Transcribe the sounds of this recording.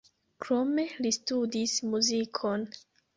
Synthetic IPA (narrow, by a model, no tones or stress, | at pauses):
kɾo̞me̞listudismuzikʰo̞n